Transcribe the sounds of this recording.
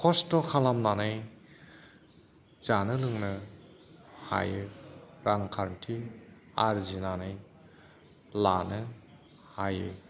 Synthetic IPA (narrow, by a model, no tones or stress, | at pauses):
kʰɔstɔkʰalamnanaj | zanɯlɯŋnɯ | ha̰jɯɾaŋkʰaɾntʰi | aɾzinanaj | lanɯ | hajɯ